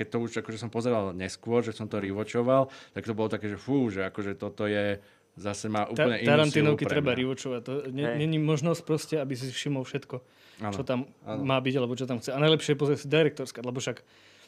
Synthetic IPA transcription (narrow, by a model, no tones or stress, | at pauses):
kɛc̚t̪ɔuʒakɔʒɛsɔmpɔzɛɾalɲɛskʊɔɾʒɛsɔmt̪ɔɾiʋɔt͡ʃɔʋalt̪ak̚t̪ɔbɔlɔt̪akɛːʒɛfuːʒɛakɔʒɛt̪ɔt̪ɔjɛ | zasɛmaːʔuːt̪al̩ɲɛʔit̪aɾant̪iːnɔʊkitɾɾɛbaɾiʋɔt͡ʃɔʋact̪ɔɲɛɲɛɲimɔʒnɔsc̚pɾɔscɛabis̬isfʃimɔlfʃɛt̪kɔ | ant͡ʃɔt̪amanːaːbiɟalɛbɔt͡ʃɔt̪amxt͡sɛanajlɛpʃɪɛp̬ɔzɾɛsid̪ɛɾɛk̚t̪ɔɾskalɛbɔfʃak